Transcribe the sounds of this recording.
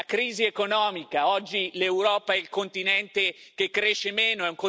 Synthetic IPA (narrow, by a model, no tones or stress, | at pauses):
akɾiːziekonɔːmikaɔd͡ʒːilewɾɔːpaɛilkont̪inɛnt̪ek̟ekːɾeːʃːemeːnoɛuŋko